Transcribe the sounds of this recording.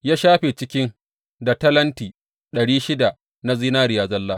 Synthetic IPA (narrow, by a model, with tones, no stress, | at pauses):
jaː˦ʃaː˦ɸe˨t͡ʃɪ˦kʲɪ˦ŋ | da˨tɐ˦lɐ˦ntiː˨ | ɗɐ˨ɽiː˦ʃɪ˦da˨ | na˦ziː˦naː˦ɾɪ˨jaː˦zɐ˦lːaː˦